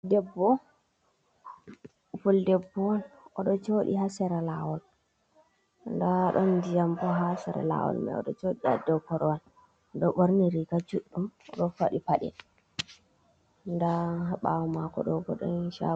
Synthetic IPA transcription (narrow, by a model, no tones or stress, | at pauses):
dɛbːɔ | fuldɛbːɔwnɔɗɔt͡ʃoɗḭhasɛɾalawɔl | ndaɗɔndijambɔɦasɛɾa̰la̰wɔ̰lmɛ̰ɔ̰ɗɔt͡ʃoɗia̰dɛkɔɾɔwan | ɗɔɓoɾniɾikad͡ʒuɗːumɗɔfaɗipaɗɛ̰ | ndaɦaɓawɔmakɔ̰ɗɔɡɔɗɔnʃa̰